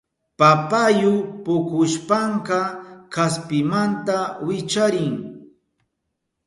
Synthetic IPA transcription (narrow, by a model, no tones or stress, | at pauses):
papajʊpʊkʊʃpaɴkɑkaspɪmant̪awɪt͡ʃaɾɪŋ